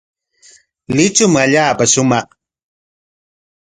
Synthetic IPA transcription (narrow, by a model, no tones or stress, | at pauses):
lɪt͡ʃʊmaʎaːpaʃʊmɑχ